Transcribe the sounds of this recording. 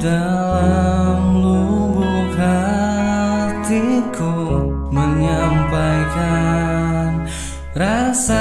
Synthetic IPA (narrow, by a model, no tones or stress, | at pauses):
dalamluwukɦa | t̪iko | məɲampajka | n | rasa